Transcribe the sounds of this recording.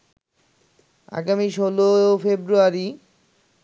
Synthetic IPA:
a̰ɡamiʃolofebɾuaɾi

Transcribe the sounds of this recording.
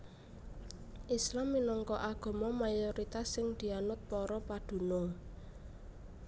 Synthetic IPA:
ʔislamːinɔŋkɔʔaɡ̥ɔ̤mɔmajoɾit̪asɪŋd̪̥i̤anʊt̪̚pɔɾɔpad̪̥ṳno

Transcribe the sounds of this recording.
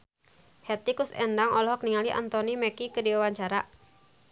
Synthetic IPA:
hɛt̪ikusɛ̰ndaŋʔɔlɔɦɔk̚niŋaliʔa̰nt̪onimɛkikədiwawaɲt͡ʃaɾa̰

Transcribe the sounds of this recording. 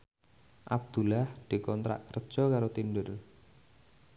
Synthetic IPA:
ʔab̚d̪̥ṳlahd̪̥i̤kɔnt̪ɾa̰ʔkərd̥ʒ̥ɔ̤kaɾot̪indʊl

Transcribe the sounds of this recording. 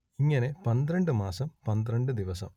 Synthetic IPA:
iŋːɐne̞pɐnd̪ɾɐɳɖɨmaːsɐmpɐnd̪rɐɳɖɨd̪iʋɐsɐ̰m

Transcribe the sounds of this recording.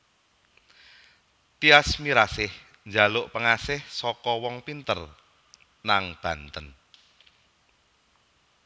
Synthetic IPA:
t̪iasmiɾasɪh | ɲd͡ʒa̤lʊʔpəŋasɪhsɔkɔwɔŋpint̪ər | naŋb̥ä̤nt̪ən

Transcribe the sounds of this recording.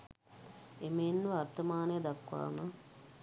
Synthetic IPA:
emenːuart̪əmaːnəjəd̪akʋa̰ːmə

